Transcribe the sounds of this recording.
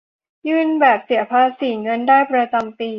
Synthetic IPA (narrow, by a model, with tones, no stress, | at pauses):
jɯː˥˩nbɛː˨˩p̚si˨˩˦ɐpʰa˧˥siː˨˩˦ŋɤ˧ndaː˥˩jpɾa˧t͡ɕa˧mpiː˧